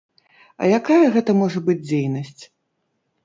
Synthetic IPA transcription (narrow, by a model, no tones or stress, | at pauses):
ɐ̰jakajɐɣɛt̪ɐmɔʐɐbɨd͡zʲd͡zʲejnɐsʲt͡sʲ